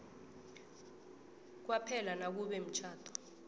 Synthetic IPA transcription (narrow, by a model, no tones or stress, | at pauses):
k̬wapʰɛlanak̬uɓɛm̩t͡ʃʰaːtʰʼɔ̥